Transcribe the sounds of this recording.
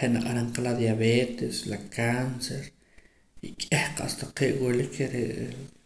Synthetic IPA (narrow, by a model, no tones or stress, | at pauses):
eʔnaqʼaɾaɴqalad̪jaβeːt̪eslakʰanseɾ | ikʼehqa̰ʔst̪aqeːʔwilikʰeɾḛʔ